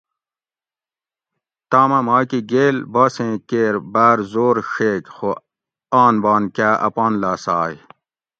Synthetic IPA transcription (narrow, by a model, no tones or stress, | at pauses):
t̪aːmɐmaːkiɡeːlbɐːsẽːkeːɾbaːɾzoːɾɕeːkxo | aːnbɑːnkaːʔɐ̰paːnlaːsaːj